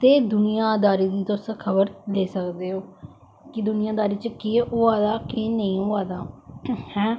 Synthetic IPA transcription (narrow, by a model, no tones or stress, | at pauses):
t̪eːd̪ʊnijãːd̪aːɾiːd̪iːt̪oskʰəβəɾd̪eːsəkd̪eːɦoː | kɪd̪ʊnijãːd̪aːɾiːt͡ʃəkiʊaːd̪aːkɪnəĩːʊaːd̪aːhɛ̃ː